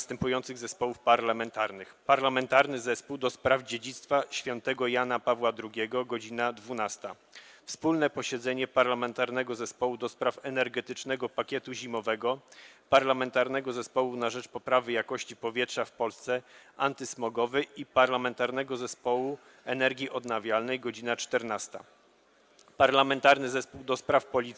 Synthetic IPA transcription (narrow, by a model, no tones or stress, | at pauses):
st̪ɛmpujɔnt̪sɘɣzɛspɔwufpaɾlamɛnt̪aɾnɘxpaɾlamɛnt̪aɾnɘzɛspuwd̪ɔspɾavd͡ʑed͡ʑit̪st̪faɕfʲjɔnt̪ɛɡɔjanapavwad̪ɾuɡʲɛɡɔɡɔd͡ʑinad̪vunast̪a | fspulnɛpɔɕɛd̪zɛɲɛpaɾlamɛnt̪aɾnɛɡɔzɛspɔwud̪ɔspɾafɛnɛɾɡɛt̪ɘt͡ʂnɛɡɔpakʲɛt̪uʑimɔvɛɡɔpaɾlamɛnt̪aɾnɛɡɔzɛspɔwunaʐɛt͡ʂpɔpɾavɘjakɔɕt͡ɕipɔvʲjɛtʂafpɔlst̪sɛʔant̪ɘsmɔɡɔvɘʔipaɾlamɛnt̪aɾnɛɡɔzɛspɔwu | ɛnɛɾɡʲjiʔɔd̪navʲjalnɛjɡɔd͡ʑinat͡ʂt̪ɛɾnast̪a̰ | paɾlamɛnt̪aɾnɘzɛspuwd̪ɔspɾafpɔlʲit̪